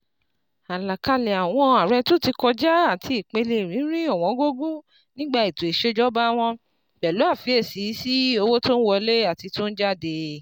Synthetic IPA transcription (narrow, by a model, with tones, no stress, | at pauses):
a˨la˨ka˧lɛ˨a˨w̃ɔ̃˧a˨ɾɛ˧to˦ti˧kɔ˧d͡ʒa˦a˦˨tʰi˧i˨k͡pe˧le˧˨ɾ̃ĩ˨˦ɾ̃ĩ˦ɔ˦˨w̃ɔ̃˨˧˦ɡo˦ɡu˦ | nĩ˦ɡ͡ba˦˧i˨to˨i˨ʃe˦d͡ʒɔ˦ba˦w̃ɔ̃˧ | bɛ˨lu˨˦a˦˨fi˨˦e˦˨si˨˦si˦o˧wo˦to˦n̩˦wɔ˧le˦a˦˨ti˧to˦n̩˦d͡ʒa˦˨de˧